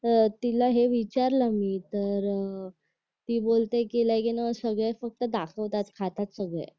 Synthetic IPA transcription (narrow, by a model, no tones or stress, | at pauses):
t̪ilaɦeʋit͡ɕaɾləmiːt̪əɾ | t̪iːbolt̪ekilajkinəsəɡɭefək̚t̪əd̪akʰəʋt̪at̪kʰat̪at̪səɡɭḛ